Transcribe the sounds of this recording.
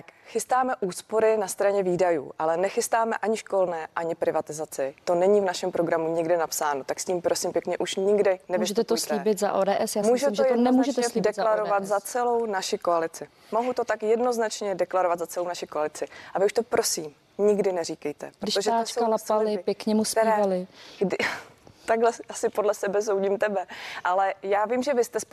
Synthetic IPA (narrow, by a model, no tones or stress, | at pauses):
t̪akxɪst̪aːmɛʔuːspoɾɪnast̪ɾaɲɛviːdajṵːʔalɛnɛxɪst̪aːmɛ̰ʔaɲɪʃko̞lnɛːʔaɲɪpɾɪvat̪ɪzat͡sɪt̪o̞nɛɲivnaʃɛmpɾoɡɾamuɲɪɡdɪnapsaːno̞t̪aksciːmpɾo̞siːmpjɛkɲɛʔuʃɲɪɡdɪnɛvmuʒɛt̪ɛt̪osliːbɪt̪zaʔoːdɛːʔɛsjaːsmuːʒɛimʒɛonɛmuːʒɛt̪ɛslidɛzlaɾovat̪zat͡sɛlo̞wnaʃɪkoalɪt͡sɪ | moɦut̪o̞t̪akjɛdno̞znat͡ʃɲɛdɛklaɾovat̪zat͡sɛlownaʃɪkoalɪt͡sɪʔavɪuʃt̪o̞pɾʔo̞siːm | ɲɪɡdɪnɛɾiːkɛjt̪ɛpɾdɪʃoʒat͡ʃkalapalɪpjɛkɲɛmusiːvalɪɡdɪt̪aɡɦlɛʔasɪpodlɛsɛbɛs̬o̞wɟiːmt̪ɛbɛʔalɛjaːvimʒɛvɪst̪ɛs